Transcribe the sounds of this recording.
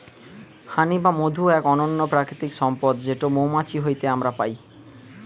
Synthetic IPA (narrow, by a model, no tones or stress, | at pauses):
hʰanibamod̪ʱuɛkɔnonːopɾakɾit̪ikʃɔmpod̪d͡ʑeʈomomat͡ɕiɦojt̪eamɾapaj